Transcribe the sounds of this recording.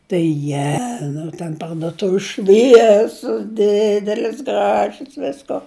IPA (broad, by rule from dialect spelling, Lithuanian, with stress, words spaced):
tɐɪ ɪˈjæːnʊ tʲɛn pɐrdʊˈtʊʋʲɪs ˈʃʲʋʲiɛsʲʊs ˈdʲɪdʲɛlʲɪs ˈɡrɑːʒʲʊs ˈʋʲɪskoː